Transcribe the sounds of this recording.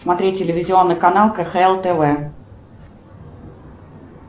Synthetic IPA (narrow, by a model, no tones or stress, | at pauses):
smɐt̪ɾʲet̚ʲːɪlʲɪvʲɪzʲɪo̞nːɨjkɐnalˠkɛxɛɛlˠt̪ɛvɛ